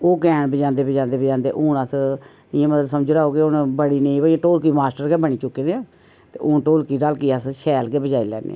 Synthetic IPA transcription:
oːkɛːɳbəd͡ʒãːnd̪eːbəd͡ʒãːnd̪eːbəd͡ʒãːnd̪ḛːʔuːnəs | ɪãːmət̪ləsəmd͡ʒɾaːoːkɪʊnbəɽiːnẽĩːbəːiãʈoːlkiːmaːsʈəɾkɛːbəɳiːt͡ʃʊkːẽːd̪eãː | t̪ḛːʔʊːnʈoːlkiːɾəlkiːəsʃʰɛːlkeːbəd͡ʒaːilɛ̰ːnḛː

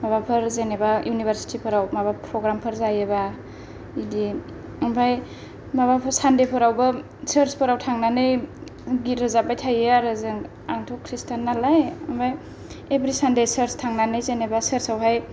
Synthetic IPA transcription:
maβapʰɯɾzenebajunibʱəɾsi̥tʰipʰɯɾawmabapʰɾɔɡɾampʰɯɾzajeba | idi | ɯmbʱaj | mabapʰɯsandepʰɯɾawbɯ | səɾspʰɯɾawtʰaŋnanɯjɡitɾɯzabajtʰajaɾɯzɯŋ | aŋtʰɔkʰɾistʰanːalajɯmbʱaj | ebɾisandesəɾstʰaŋnanɯjzenebasəɾsawɦaj

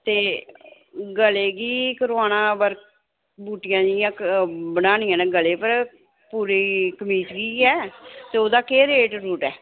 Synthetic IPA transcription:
t̪eː | ɡəleːɡiːkəɾoaːnãːbəɾk | buːʈɪjãːd͡ʒɪjãːbənaːnijãːnãːɡəleːpəɾ | puːɾiːkəmiːt̪ɡiːɛːt̪eːoːd̪aːkeːɾeːʈɾuːʈɛː

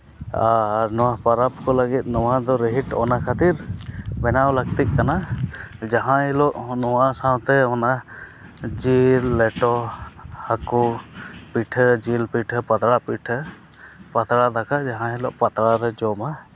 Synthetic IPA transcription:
aɾnɔwapaɾap̚kɔləɡit̪̚ˀnɔwad̪ɔɾəɦiʈɔ̰nakʰat̪iɾbɛnawləɡ̚t̪it̪̚kanad͡ʒaɦãilɔʔnɔwasãwt̪ɛɔna | d͡ʒilːɛʈɔhakupiʈʰəd͡ʒilpiʈʰəpat̪ɽapiʈʰə | pat̪ɾad̪akad͡ʒaɦãilɔ̰ʔpat̪ɾaɾɛd͡ʒɔma

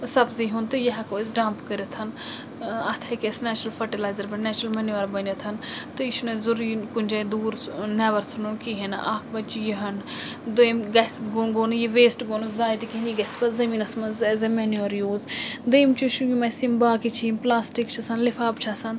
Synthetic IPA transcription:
sɐbziɦunt̪ɨjɐɦɛkoːis̬ɖãːmpkəɾʲet̪ʰɐn | ɐt̪ʰɐkʲesnɛːt͡ʃɾəlfʰɐʈilaːjzɐɾbɐnnɛːt͡ʃɾɐlmɐnjuʋɐɾbɐnet̪ʰɐnt̪ɨiʃunezuɾiːkunʲd͡ʒɐd̪uːɾnɛːʋɐɾsʰununkiɦen̰ʔaːkʰbɐt͡ʃijiɦɐn | d̪ojmɡɐsɡonɡonjiʋeːsʈɡonuzaːjt̪ikiɦniɡɐspɐzɐmiːnɐsmɐnzezɐmɛnuɐɾjuːzd̪ejmt͡ʃʰuʃujimɐsimbaːkit͡ʃʰimplaːsʈikt͡ʃʰusɐnlifaːbt͡ʃʰasɐn

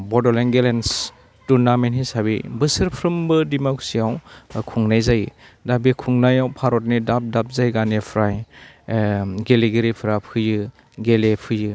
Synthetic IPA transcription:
bɔdɔleŋɡelens | tuɾnamenhisaβibɯsɯɾpʰɾɯmbɯdimaksiawkʰuŋnajzajɯdabikʰuŋnajawpʰaɾɔt̬̚nidap̚dap̚zajɡanepʰɾaj | ɡeleɡeɾipʰɾapʰɯjɯ | ɡelepʰɯjɯ

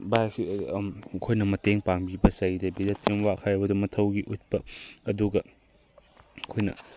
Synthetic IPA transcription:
bajksi | kʰojnɐmɐteŋpaŋbibɐsɐjdɐbidɐtʰːimwakʰajɐbɐdumɐtʰɐwɡiʔut̚pɐɐduɡɐ | kʰojnɐ̰

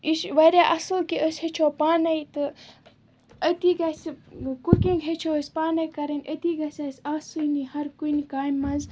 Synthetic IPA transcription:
iʃʋɐɾʲaʔɐsɨlkiʔəsʲhet͡ʃʰoːpaːnɐjt̪ɨ | ət̪iɡɐsʲkukiŋɡɦet͡ʃʰoəsʲpaːnɐkɐɾɐnʲɐt̪iɡɐsʲɐsʲaːsunihɐɾkunikaːjmːɐnz

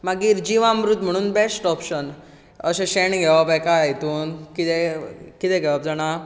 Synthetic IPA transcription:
maɡiːɾd͡ʑiʋãmɾut̪m̤əɽ̃uːnbesʈɔpɕən | əɕẽɕeɳɡʱɛʋapajkajajt̪uːnkit̪ɛkit̪ɛ̃ɡʱɛʋap̚d͡zaɽ̃a

